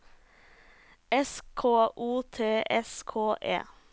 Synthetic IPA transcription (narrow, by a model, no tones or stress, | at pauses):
ɛskʰoːʔuːt̪ʰeːʔɛskʰoːʔḛː